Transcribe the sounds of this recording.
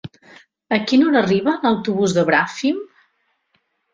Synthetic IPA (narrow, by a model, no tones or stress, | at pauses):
əkinonəriβənəwt̪uβuzðəβɾafim